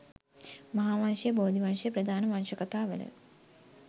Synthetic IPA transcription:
mɐɦaːʋanʂɐjəboːd̪ʱiʋanʂɐjəpɾɐd̪ʱaːnəʋanʂəkɐt̪aːʋə̰lə̰

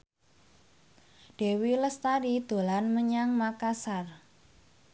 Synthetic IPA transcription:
d̥e̤wiləst̪aɾid̪̥o̤lanməɲaŋmakasar

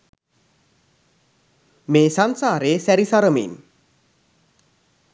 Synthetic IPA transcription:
mesansaɾesɛɾisaɾəmḭn

